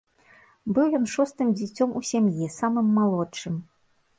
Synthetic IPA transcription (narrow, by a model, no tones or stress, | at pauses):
bɨwjɔnʂɔst̪ɨmd͡zʲit͡sʲɔmusʲamjisamɨmːalˠɔtt͡ʂɨm